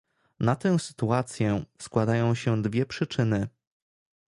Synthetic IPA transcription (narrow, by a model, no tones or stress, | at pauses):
nat̪ɛ̃w̃sɘ̥t̪uat̪sʲjɛskwad̪ajɔ̃w̃ɕɛd̪vʲjɛpʂɘt͡ʂɘnɘ